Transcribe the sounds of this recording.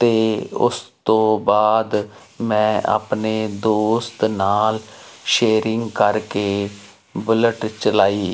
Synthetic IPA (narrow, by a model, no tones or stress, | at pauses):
t̪eːʊ̰st̪õːbaːd̪ | mɛ̃ːa̰ːpneːd̪oːst̪naːlʃeːɾɪŋɡkəɾkeː | bələʈt͡ʃəlaːiː